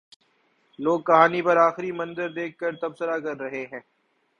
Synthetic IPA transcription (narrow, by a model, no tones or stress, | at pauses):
loːɡ̚kːɐɦaːnipɐɾaːxɪɾimɐ̃nzəɾd̪eːk̚ʰːɐɾt̪ɐbsəɾakɐɾːɐɦeɦɛ̃ː